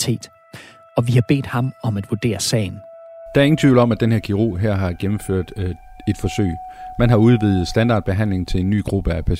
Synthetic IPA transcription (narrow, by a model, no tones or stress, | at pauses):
t͡sʰe̝̰ːd̥ | ɒ̽ʋihɑ̈b̥e̝̰ːd̥hɑ̈mɒ̽mæd̥ʋuɐd̥e̝̰ːɐsɛ̰ːɪnd̥ɑ̈æɐe̝ŋn̩t͡sʰʋḭʊ̰l̩ɒ̽mæd̥enheɐ̰kʰiʁo̝̰ːɦæɐ̰ɦɑ̈ɡ̥emm̩føɐ̰d̥e̝d̥fɒ̽sø̰ɪmænɦɑ̈uð̞ˠʋið̞̩ˠsd̥ænd̥ɑ̈ːd̥̚b̥e̝ɦæn̰le̝ŋt͡sʰe̝le̝nːy̰ːɡ̥ʁub̥əæpʰæ